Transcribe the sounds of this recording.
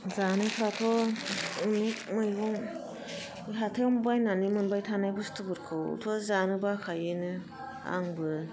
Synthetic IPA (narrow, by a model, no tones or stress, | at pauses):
zanɯpʰɾatʰɔ | ɯnimɯjɡɔŋ | ɦatʰewmbajnanimɯnbajtʰanajbɯstʰɯbɯɾkʰɯw̰tʰɔzanɯbakʰajɯnɯ | a̰ŋbɯ